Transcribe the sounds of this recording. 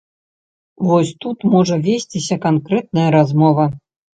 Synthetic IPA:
vɔsʲt̪ut̪mɔʐɐvʲesʲt͡sʲisʲɐkankɾɛt̪̚nɐjɐɾazmɔvɐ

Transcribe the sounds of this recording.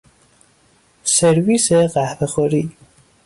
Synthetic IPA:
seɾviseɣæhbexoɾi

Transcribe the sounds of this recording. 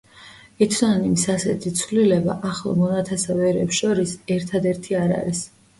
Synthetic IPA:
ɛt̪ʰnanimisasɛt̪ʰit̪sʰvlilɛba̰ʔaχlˠɔ̰mɔnat̪ʰɛsavɛɾɛpsʃɔɾisɛɾt̪ʰad̪ɛɾt̪ʰiaɾa̰ɾis

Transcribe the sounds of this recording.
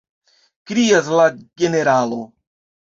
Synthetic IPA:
kɾijas̬laɡeneɾaːlo

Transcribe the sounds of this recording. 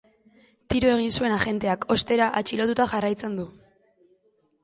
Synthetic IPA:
t̪iɾoe̞ɣ̞insue̞naʝe̞nt̪e̞ako̞st̪e̞ɾaʔat͡ʃilo̞t̪ut̪aʝarajt͡se̞nd̪u

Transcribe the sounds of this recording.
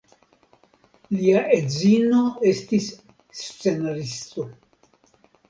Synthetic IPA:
liaʔezino̞e̞stis | st͡se̞naɾisto̞

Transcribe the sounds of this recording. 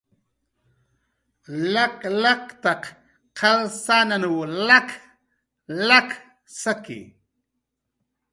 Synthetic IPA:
laklakt̪ɑq | qʰalsaːnanuwlak | lak | sakɪ̰

